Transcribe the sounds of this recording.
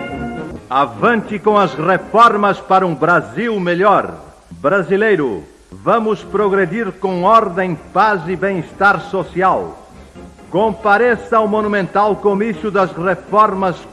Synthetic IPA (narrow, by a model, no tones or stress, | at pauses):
avɐ̃nt̪ɪkõɐzrefɔɾmɐspaɾɐũbɾaziwmeʎɔɾ | bɾazilejɾʊ̰ | vɐ̃mʊspɾoɣɾed̪iɾkõɔɾd̪ẽj̃pazɪbẽist̪aɾsosiaw | kõmpaɾesɐwmonumẽnt̪awkomisjʊd̪ɐzrefɔɾmɐs